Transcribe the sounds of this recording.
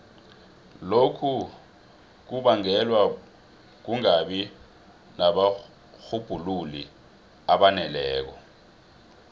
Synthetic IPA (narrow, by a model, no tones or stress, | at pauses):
lokʰu | k̬uɓaŋɛlwa | k̬uŋaɓi | naɓa | xub̥ʱululḭ | aɓanɛlɛːk̬ɔ